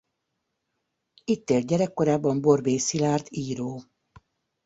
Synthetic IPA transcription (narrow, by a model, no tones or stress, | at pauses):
it̪ːeːlt̪̚ɟɛɾɛkːo̞ɾaːbːɒmbo̞rbeːsilaːrt̪iːɾoː